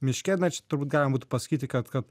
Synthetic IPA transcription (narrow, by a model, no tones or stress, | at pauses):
mʲɪʃʲkʲɛːt̪ʲnɐt͡ʃʲɛ̥t̪ʊɾbuːt̪ɡɑlʲɪmɐbuːt̪ʊpɐsɐ̥kʲiːt̪ʲɪkɐt̪kɐt̪